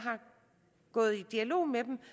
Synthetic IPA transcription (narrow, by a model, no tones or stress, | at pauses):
ɦɑ̈ | ɡ̥ɔ̽ːð̞̩ˠid̥iælo̝̰ːmed̥em̩